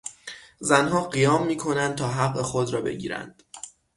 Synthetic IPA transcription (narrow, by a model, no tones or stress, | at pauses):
zænɦɒːɢijɒːmːiːkʰo̞nænd̪̚t̪ʰɒːɦæɢːexod̪ɾɒːbe̞̰ɟḭːɾæ̰nd̪̥